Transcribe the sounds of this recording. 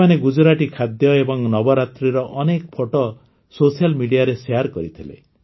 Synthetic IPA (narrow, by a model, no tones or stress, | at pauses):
aneɡud͡ʒɾaʈikʰad̪jɔebɔŋnɔbɔɾat̪ɾiɾɔʔɔnekpʰoʈɔ | sosialmiɽijaɾeseaɾkɔɾit̪ʰilḛ